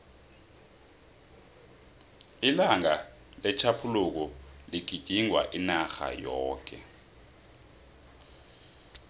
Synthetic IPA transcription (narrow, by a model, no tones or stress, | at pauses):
ilaŋa | lɛt͡ʃʰapʰuluk̬uliɡ̥ʱid̥ʱiŋwa̰ʔinaxa̰jɔːk̬ʼɛ